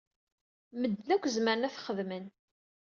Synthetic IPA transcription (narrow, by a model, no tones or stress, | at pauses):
məd̪ːlækʷːzməɾənæθχəðmən